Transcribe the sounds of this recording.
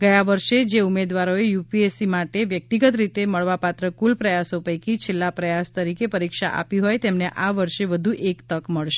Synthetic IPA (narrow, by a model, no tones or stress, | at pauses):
ɡəjaʋəɾʃed͡ʒeumed̪ʋaɾoejupiesimaʈeʋjək̚t̪iɡət̪ɾit̪eməɭʋapat̪ɾəkulpɾəjasopəjkit͡ʃʰelːapɾəjast̪əɾikepəɾikʃa̰ʔa̰piɦojt̪emneʔaʋəɾʃeʋəd̪ʱuʔekt̪əkməɭʃe̥